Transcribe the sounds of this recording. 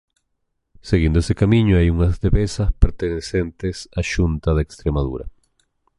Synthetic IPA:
seɣĩnd̪oesekamĩɲoajuŋazðeβesaspeɾt̪enesent̪esaʃunt̪aðekst̪ɾemaðṵɾa̰

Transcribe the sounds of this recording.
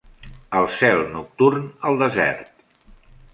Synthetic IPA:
əlˠsɛlˠnuk̚t̪urnəlˠd̪əzɛ̰ɾt̪

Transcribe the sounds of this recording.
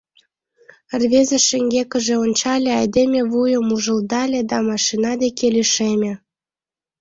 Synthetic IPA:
rβezeʃeŋɡʲekə̆ʒĕonʲt͡ɕɑlʲeɑjd̪emʲeβujə̆muʒə̆ld̪ɑlʲed̪ɑmɑʃinɑd̪ekʰeliʃemʲe

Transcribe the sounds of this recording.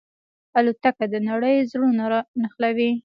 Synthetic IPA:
alut̪akad̪ənaɽəjzɽunaɾɑnəxlawi

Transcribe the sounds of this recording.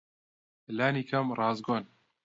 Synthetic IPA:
laːniːkʰɐmrɑːzɡoːn

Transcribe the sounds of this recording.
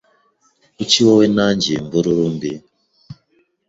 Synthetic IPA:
ut͡ʃiwɔwenand͡ʒembuɾuɾumbi

